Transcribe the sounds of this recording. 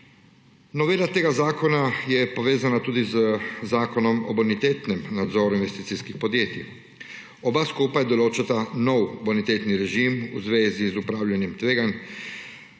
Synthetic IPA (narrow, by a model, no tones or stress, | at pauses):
nɔʋeːlat̪eːɡazaːkonajɛpoʋeːzanat̪uːd̪izzaːkɔnɔmo̰bonit̪eːt̪nɛmnad̪zoːɾuinʋest̪iːt̪siskixpod̪jeːt̪ḭ | obaskupajɛd̪oloːt͡ʃat̪anowbonit̪eːt̪niɾɛʒimṵzʋeːzizupɾaːwlʎʲanɛmt̪ʋeːɡan